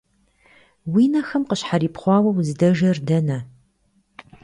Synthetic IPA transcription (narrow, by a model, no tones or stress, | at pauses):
wiːnɐxɐmqəɕħaɾiːpχʷɑːwɐwzɨdɐʒɐrdɐnɐ